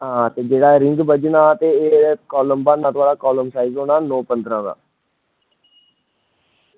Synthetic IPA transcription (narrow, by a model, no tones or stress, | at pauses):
ɦãːt̪eːd͡ʒeːɽaːɛɾɪ̃ŋɡbəd͡ʒnaːt̪eːkɔːləmbãːnãːt̪ʊaːɽaːkɔːləmsaːizɦoːnaːnoːpənd̪ɾãːd̪a̰ː